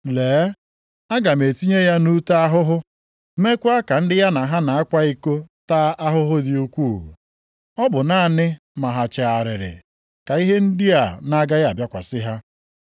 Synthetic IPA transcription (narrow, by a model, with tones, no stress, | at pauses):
leː˨˦ | a˦ɡa˨me˨ti˦ɲe˦ja˦nu˦ta˦a˦ɦʊ˦ɦʊ˦ | me˦kʷa˦ka˨n̩˦dɪ˦ja˦na˨ɦa˦na˨a˦kʷa˦i˦ko˦taː˦ʔa˦ɦʊ˦ɦʊ˦dɪ˦u˦kʷu˦˨ɦṵ˨ | ɔ˦bʊ˨na˦˨nɪ˦ | ma˨ɦa˨t͡ʃe˨a˨ɾɪ˨ɾɪ̰˨ | ka˨i˦ɦe˦n̩˦di˦a˨na˦ɡa˦ja˨bja˦kʷa˨sɪ˦ɦa˦